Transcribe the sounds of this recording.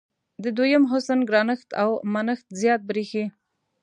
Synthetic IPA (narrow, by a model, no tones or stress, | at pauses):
d̪əd̪ojəmɦʊsənɡɾɑnəxt̪a̰wmanəxt̪zjɑt̪̚bɾixi